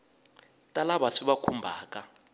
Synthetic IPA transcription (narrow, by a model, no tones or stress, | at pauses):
tʼalaɓasiɓakʰumbʱaːk̬ʼa